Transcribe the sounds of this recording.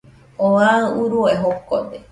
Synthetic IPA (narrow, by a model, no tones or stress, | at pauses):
oaɨuɾuoeɦokod̪e